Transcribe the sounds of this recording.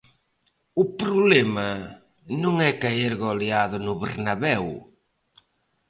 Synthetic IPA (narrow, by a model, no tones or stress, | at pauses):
ʊpɾʊβlɛmɐ | nõŋɛkaeɾɣoleaðʊnʊβḛɾnaβɛw